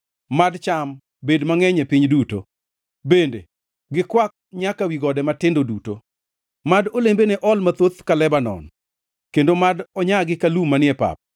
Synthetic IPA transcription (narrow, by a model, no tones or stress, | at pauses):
madt͡ʃam | bedmaŋɛɲepiɲduto | bendḛ | ɡɪkwak̚ɲakawiɡɔdɛmatɪndoduto̰ | madolembeneʔɔlmat̪ot̪kalɛbanɔ̰n | kendomadɔɲaɡɪkalumːanɪɛpa̰p̚